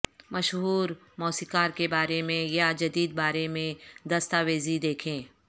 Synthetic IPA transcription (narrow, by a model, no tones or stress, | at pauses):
mɐʃɦuːɾ | mɔːsikaːɾkebaːɾemẽjad͡ʒɐd̪iːd̪̚baːɾemẽd̪ɐst̪aːʋeːzid̪eːkʰẽː